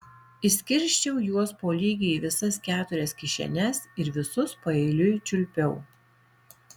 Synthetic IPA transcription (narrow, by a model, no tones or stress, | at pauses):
ɪsʲkʲɪɾʲʃʲt͡ʃʲɛʊjuɔspoːlʲiːɡʲɪiːʋʲɪsɐskʲæːt̪ʊɾʲɛskʲɪʃʲɛ̰nʲɛsɪɾʋʲɪsʊspɐɛɪlʲʊt͡ʃʲʊlʲpʲɛʊ